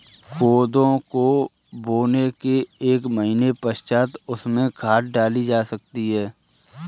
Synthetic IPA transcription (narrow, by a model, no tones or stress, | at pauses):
kʰoːd̪õko | boːnekeeːkməɦinepəʃt͡ʃaːt̪ʊsmẽkʰaːʈ̚ɖaːlid͡ʒaːsɐk̚t̪iɦɛː